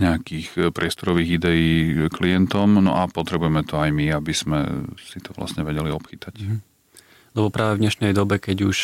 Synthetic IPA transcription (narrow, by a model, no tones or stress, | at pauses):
ɲɛakiːxpɾɪɛst̪ɔɾɔʋiːɣid̪ɛjiːklijɛnt̪ɔmnɔ̰ʔapɔt̪ɾɛbujɛmɛt̪ɔajmiabiz̥mɛ̰sit̪ɔʋla̰sɲɛʋɛɟɛliɔpxit̪ac | lɛbɔpɾaːʋɛvɲɛʃnɛjd̪ɔbɛkɛɟuʃ